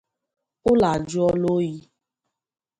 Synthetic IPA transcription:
o˦la˨d͡ʒu˦ɔ˦lo˦ji˧˦

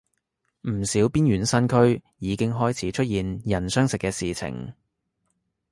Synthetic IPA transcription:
m̩˨˩siː˨˥wpiː˥nɥyː˨˥nsɐ˥nkʰɵ˥ɥjiː˨˧kɪ˥ŋɦɔː˥jt͡sʰiː˨˥t͡ʃʰɵ˥t̚jiː˨njɐ˨˩nsœː˥ŋsɪ˨kːɛː˧siː˨t͡sʰɪ̰˨˩ŋ

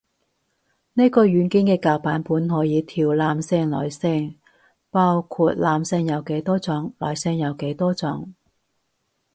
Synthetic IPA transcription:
ne˥jkɔː˧ɥyː˨˥nki˥nkɛː˧kaː˨˧wpaː˨˥npuː˨˥nɦɔː˨˥jiː˨˧t̪ʰiː˨˩wlaː˨˧msɛː˧ŋlɔ̰ː˨jsɛː˧ŋ | paː˥wkʰuː˧t̚laː˨˧msɛ˧ŋjɐ˨˧wke˨˥jt̪ɔː˥t͡sɔ˨˧˥ŋlɔː˨˩jsɛː˧ŋjɐ˨˧wke˨˥jt̪ɔː˥t͡sɔ˨˥ŋ

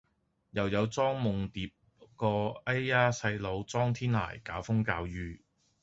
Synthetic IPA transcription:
jɐ˨˩wjɐ˨˧wt͡sɔː˥ŋmʊ˨ŋt̪iː˨p̚ | kɔː˧ɐ˥jaː˥sɐ˧jlo˨˧wt͡sɔː˥ŋt̪ʰiː˥nla̰ː˨˩jkaː˨˥wfʊ˥ŋkaː˧wjyː˧

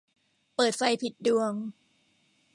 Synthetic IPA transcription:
pɤː˨˩t̪̚fa˧jpʰi˨˩t̪̚du˧əŋ

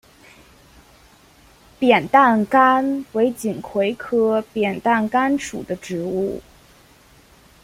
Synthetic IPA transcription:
pjɛ˨˩nt̪a˥˩nka˥nwe˧˥ɪt͡ɕi˨˩ŋkʰwe˧˥ɪkʰɤ˥pjɛ˨˩nt̪a˥˩nka˥nʂʰṵ˨˩d̪ə˦ʈ͡ʂɻ̩˧˥u˥˩

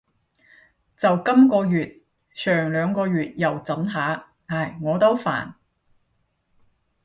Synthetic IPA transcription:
t͡sɐ˨wkɐ˥mkɔː˧jyː˨t̚ | sʰœː˨˩ŋlœː˨˧ŋkɔː˧ɥyː˨t̚jɐ˨wt͡sɐ˨˥nɦaː˨˥ | aː˨˩jŋɔː˨˧t̪o˥wfa̰ː˨˩n

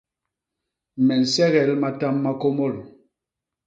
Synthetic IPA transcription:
mɛ˨n̩˨sɛ˦ɣɛ˨˦lma˦ta˦mːa˦ko˦mɔ˦˨l

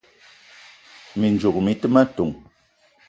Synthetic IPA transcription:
mi˨n˨d͡ʒu˨k̚mi˨tɨ˦ma˦tu˨ŋ

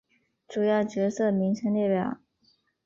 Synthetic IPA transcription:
ʈ͡ʂu˨˩jɑ˥˩ʊt͡ɕɥɛ˧˥sɤ˥˩mi˧˥ŋɕʰɛ˧˥nt̪ɛ˥˩pjɑ˨˩˦ʊ

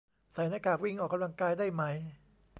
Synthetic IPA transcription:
sa˨˩˦jnaː˧˥kaː˨˩k̚wi˥˩ŋʔɔː˨˩kːa˧mla˧ŋkaː˧jdaː˥˩jma˦˥j

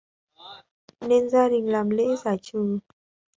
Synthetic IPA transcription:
ne˧nzaː˧ɗï˨˩ŋ̟laː˨˩mlḛ˧˥zaː˧˩jt͡ɕɨ˨˩

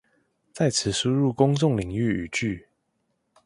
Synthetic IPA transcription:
t͡sa˥˨ɪt͡sʰɹ̩˨˩˦ʂu˦ɻu˥˨kʊ˦ŋt͡sʊ˥˨ŋli˨˩ŋy˥˨y˨˩t͡ʃy˥˨

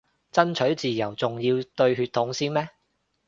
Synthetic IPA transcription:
t͡sɐ˥nt͡ʃʰɵ˨˥ɥt͡siː˨jɐ˨˩wt͡sʊ˨ŋjiː˧wt̪ɵ˧ɥɦyː˧t̪ʰːʊ˨˥ŋsiː˥nmɛː˥

